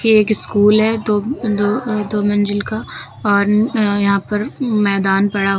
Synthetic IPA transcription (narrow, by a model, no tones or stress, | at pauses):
kieːkɪskuːlɦɛd̪oːd̪oːd̪oːmə̃nd͡ʒɪlka | ɔːɾjɐɦãpɐɾmɛːd̪aːnpɐɽaɦo